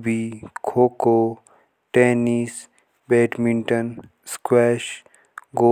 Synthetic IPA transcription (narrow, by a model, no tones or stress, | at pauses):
bikʰoːko | ʈeːniːs | bɛːʈmiɳʈən | skwɛːʃ | ɡoː